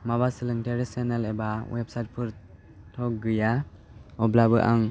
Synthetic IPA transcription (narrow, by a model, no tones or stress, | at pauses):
mabasɯlɯŋteɾesenelebawepsajt̚pʰɯɾ | tʰɔk̚ɡɯja | ɔblabɯʔaŋ